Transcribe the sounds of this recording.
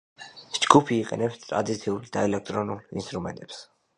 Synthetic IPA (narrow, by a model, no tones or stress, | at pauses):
d͡ʒɡ̥upʰiːqʼɛ̰nɛpst̪ʼɾa̰d̪it̪sʰiuld̪aɛlɛk̚ʰt̪ʼɾɔnulinst̪ʼɾumɛ̰nt̪ʼɛps